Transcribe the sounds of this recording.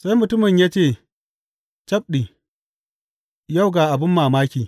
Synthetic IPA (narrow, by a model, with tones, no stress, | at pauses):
sa˦jmʊ˨tʊ˦mɪ˨ɲjaː˦t͡ʃeː˦˨ | t͡ʃɐ˦p̚ɗiː˨ | ja˦˨wɡaː˨ʔa˨bɪ˦mːaː˨maː˦kʲiː˨